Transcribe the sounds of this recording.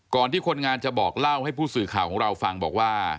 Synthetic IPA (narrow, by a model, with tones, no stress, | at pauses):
kɔː˨˩nt̪ʰiː˥˩kʰo˧nŋaː˧nt͡ɕa˨˩bɔː˨˩k̚la˥˩wha˥˩jpʰuː˥˩sɯː˨˩kʰaː˨˩wkʰɔː˩˦ŋɾa˧wfa˧ŋbɔː˨˩k̚waː˥˩